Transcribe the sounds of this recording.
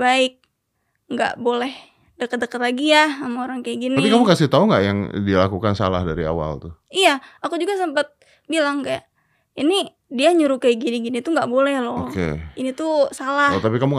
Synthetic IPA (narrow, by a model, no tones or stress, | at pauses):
baɪk̚ | ŋɡa̰ʔbolɛh | dəkət̪̚dəkət̪laɡijaamaoɾaŋkaiɡinaipikamukasɪht̪auŋɡa̰ʔjaŋdilakukansa̰la̰hdaɾia̰wa̰lt̪ʊijaakud͡ʒuɡasəmpət̪̚ | bilaŋkaja̰ʔ | ini | diaɲuɾukajɡiniɡinit̪uŋɡaʔbolɛhlookḛinit̪usalat̪apikamuŋ